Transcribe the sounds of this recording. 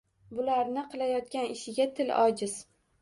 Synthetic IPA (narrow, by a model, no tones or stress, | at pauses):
bʊlaɾnɪqʰɨlˠajɒt̪̚kʲanɪʃɪɡʲat̪ʰɪlɒd͡ʒɪz̥